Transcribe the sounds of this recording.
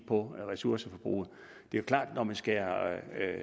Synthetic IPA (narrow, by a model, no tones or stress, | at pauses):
pʰɒ̽ʁɛsuɐsəfɒ̽b̥ʁṵːð̩ˠ | d̥e̝jokʰlɑ̰̈ːd̥nɒmænsɡ̥æ